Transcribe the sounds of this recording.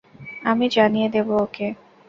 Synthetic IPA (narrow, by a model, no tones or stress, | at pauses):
amid͡ʒanijed̪ebooke